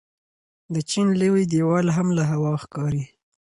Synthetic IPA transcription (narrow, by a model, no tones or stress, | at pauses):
d̪ət͡ʃinləwid̪ewɑlɦamlaɦawɑxkɑɾi